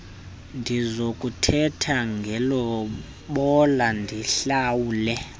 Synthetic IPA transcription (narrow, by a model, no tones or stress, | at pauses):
ndʱizokʼutʰɛtʰaŋɡʱɛlɔ | ɓɔlandʱiɬawuːlɛ